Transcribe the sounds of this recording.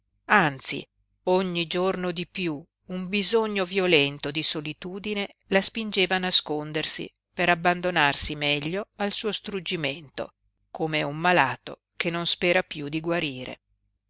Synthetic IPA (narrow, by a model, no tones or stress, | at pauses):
ant̪sḭ | oɲːid͡ʒornod̪ipju | umbizoɲːovjolɛnt̪od̪isolit̪uːd̪ine | laspind͡ʒeːvaːnaskond̪ersḭ | peɾabːand̪onarsimɛʎːoalsuːost̪ɾud͡ʒiment̪o̰ | komeumːalaːt̪o̰ | kenːonspɛːɾapjud̪iɡwaɾiːɾḛ